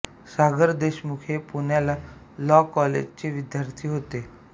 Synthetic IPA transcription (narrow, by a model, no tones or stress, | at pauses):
saɡəɾd̪eɕmukʰepuɳjala | lɔkɔlḛd͡ʑt͡ɕeʋid̪jaɾt̪ʰiːɦot̪e